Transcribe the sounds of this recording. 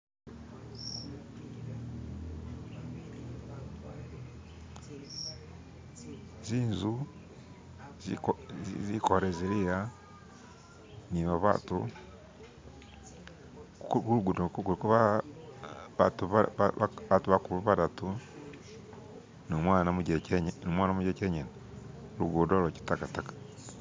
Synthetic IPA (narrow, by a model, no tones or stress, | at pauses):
ziːnzu | zizikoɾeziɾija | niβaβa̰tṵ | kuɾuɡudokkuɾikoβa | βatuβ | βatuβakuβuβadatu | nomwanamuɟeeɲnomwaːnamuɟeceɲena | uɾṵɡudoloci̥takatakḁ